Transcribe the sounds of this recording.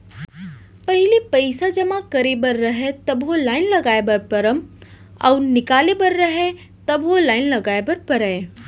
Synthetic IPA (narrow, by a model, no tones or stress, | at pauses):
pɐɦɪlipɐjsad͡ʒɐmakɐɾebɐɾːɐɦet̪ɐbʋolaːɪnlɐɡaːebɐɾpɐɾəm | ɐ̰ʊɾnɪkaːlebɐɾːɐɦe | t̪ɐbʋolaːɪnlɐɡaːebɐɾpɐɾɛː